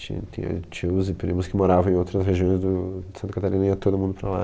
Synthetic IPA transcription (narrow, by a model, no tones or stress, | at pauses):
t͡ʃḭ̃t̪ḭ̃ɐ̰t͡ʃiwzɪpɾimʊskɪmoɾavɐ̃ẽowt̪ɾɐsɦeʒiõj̃zd̪ʊd̪ɪsɐ̃nt̪ɐkat̪alɾĩnɐĩɐt̪od̪ʊmũnd̪ʊpɾala̰